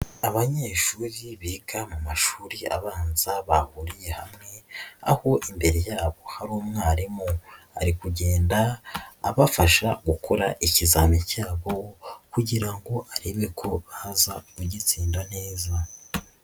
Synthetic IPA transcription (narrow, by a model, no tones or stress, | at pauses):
aβaɲe̞ːʃuɾiβiɡamumaʃuːɾia̰βaːnzaβahuɾije̞hamŋe̞a̰ho̞ʔimbe̞ɾe̞jaːβo̞haɾuːmŋaːɾimu | a̰ɾikuɟe̞ːndaːβafaʃaɡukʰoɾaʔicizaːmicaːβo̞kuɟiɾaŋɡo̞ʔaɾeβekʰo̞βazamuɟit͡siːndane̞ːza